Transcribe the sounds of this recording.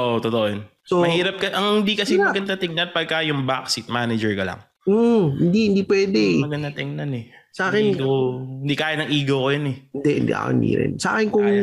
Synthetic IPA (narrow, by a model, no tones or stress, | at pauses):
ʔoʔt̪ot̪oʔojon | somɐhhiːɾɐp̚kɐʔɐŋhɪnd̪ikɐsiɐɡɐnd̪ɐt̪ɪŋnɐnpɐɡ̚kajʊŋba̰ksit̪̚maːnɛd͡ʒɛɹkɐlɐ̰ŋ | m̩ːhɪnd̪ihɪnd̪ipwɛːd̪ɛmɐɡɐd̪ɐt̪ɛŋnɐnɛ | sɐʔaːkɪnɡhɪnd̪ikaːjɪt̪nɐŋʔiːɡɐwkojonɛhɪnd̪ɛʔhɪnd̪ḭʔɐ̰o̰ɪ̰nd̪ḭɾɪ̰nsa̰ːkɪnkʊŋ